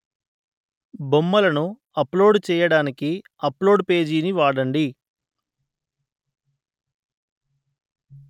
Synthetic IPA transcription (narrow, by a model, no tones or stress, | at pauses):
bomːɐlɐnu | ɐplo̞ːɖt͡ʃɛːjɐɽaːnikiɐplo̞ːɖpe̞ːd͡ʒiːniʋaːɽɐɳɖi